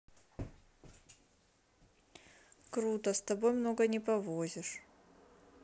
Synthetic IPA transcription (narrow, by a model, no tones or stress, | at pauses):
kɾut̪əst̪ɐbo̞jmno̞ɡənʲɪpɐvozʲɪʂ